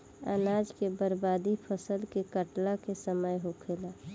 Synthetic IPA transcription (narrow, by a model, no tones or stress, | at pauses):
ə̰nad͡ʒkebəɾbaːd̪ipʰəsəlkekəʈlakesəməjɦokʰeːla